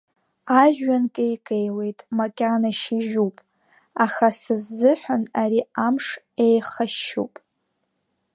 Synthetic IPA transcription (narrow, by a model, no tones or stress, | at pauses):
aʒᶣankʼejkʼejwe̞jtʼmakʲʼanaʃɪʒupʼ | aχasɨzːɨħʷᶣanaɾiamʂ | ejχaʃṵpʼ